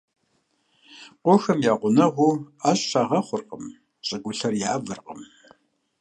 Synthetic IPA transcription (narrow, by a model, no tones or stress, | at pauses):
qʷʊxɐmjaːqʷʊnɐʁʷuːaːɕɕaʁɐχʷʊrqʼəm | ɕʼɨɡʷʊɬɐrjaːvɨrqʼə̰m